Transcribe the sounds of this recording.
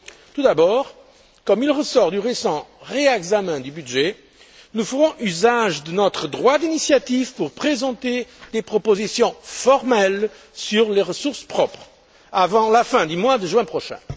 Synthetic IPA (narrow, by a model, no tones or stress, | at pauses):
t̪ud̪abɔʁ | kɔmilʁəsɔʁd̪yʁesɑ̃ʁeɛɡzamɛ̃d̪ybyd̪ʒɛ | nufəʁɔ̃ʔyzaʒd̪ənɔt̪χəd̪ʁwad̪inisjat̪ivpuʁpχezɑ̃t̪ed̪̥epχɔpozisjɔ̃fɔʁmɛl | syʁleʁəsuʁspχɔpχ | avɑ̃lafɛ̃d̪ymwad̪əʒɥɛ̃pχɔʃɛ̰̃